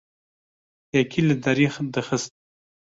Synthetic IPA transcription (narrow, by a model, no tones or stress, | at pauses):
akʰilad̪aɾixd̪əxəst̪̚